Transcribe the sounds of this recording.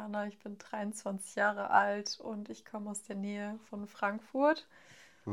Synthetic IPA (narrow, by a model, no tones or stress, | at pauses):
anaɪçb̥ɪndʁaɪʊnt͡sv̥ant͡sɪ̥çjaːʁ̞ə̰ʔaltʊntɪçkʰɔməaʊsd̥eːɐnɛːəfɔnfʁ̥aŋkfʊɐt